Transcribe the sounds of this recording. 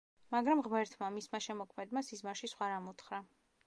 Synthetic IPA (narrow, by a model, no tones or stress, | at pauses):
maɡɾamʁmɛɾt̪ʰmamismaʃɛmɔkʰmɛd̪masizmaʃisχwaɾamut̪χɾa